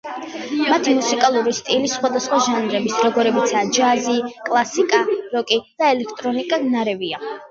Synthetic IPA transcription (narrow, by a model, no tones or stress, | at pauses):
mat̪ʰimusikʼalˠuɾist̪ʼilisχwad̪asχwaʒanɾɛbisɾɔɡɔɾɛbit̪sʰaːd͡ʒazikʼlˠasikʼaɾɔkʼid̪̥aɛlɛkʰt̪ʼɾɔnikʼanaɾɛvia